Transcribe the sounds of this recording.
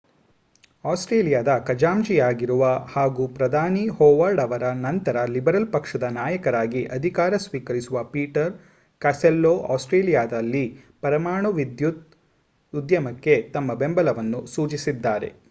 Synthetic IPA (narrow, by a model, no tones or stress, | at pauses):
aːsʈɾeːlijaːd̪ɐkɐd͡ʒaːmd͡ʒijaːɡiɾuʋɐhaːɡupɾɐd̪ʱaːnihɔːʋɐɾɖɐʋɐɾɐnɐnt̪ɐɾɐlibɐɾɐlpɐkʂɐd̪ɐnaːjɐkɐɾaːɡiʔɐd̪ʱikaːɾɐsʋiːkɐɾisuʋɐpiːʈɐɾ | kaːselːoːʔaːsʈɾeːlijaːd̪ɐlːipɐɾɐmaːɳuʋid̪jut̪̚ | ud̪jɐmɐkːe̞t̪ɐmːɐbembɐlɐʋɐnːusuːt͡ʃisid̪ːaːɾe̞̰